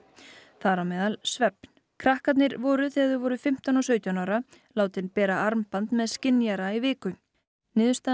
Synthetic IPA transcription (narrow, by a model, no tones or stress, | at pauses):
θaɾawmɛːðalsvɛpn̥ | kʰɾahkat̪nɪɾvɔːɾʏθɛɣaðɪvɔɾʏfɪm̥t̪anɔsœːɥt̪janaːwɾalaːwt̪ɪnpɛːɾaaɾmpant̪mɛðscɪnjaɾaivɪːkʏ | nɪːðʏst̪a